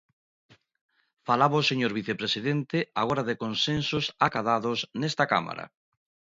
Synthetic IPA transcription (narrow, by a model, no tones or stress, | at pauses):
falaβoseɲoɾβiθepɾesiðent̪ɪaɣoɾaðekonsensʊsakaðaðʊsnɛst̪aka̰ma̰ɾa̰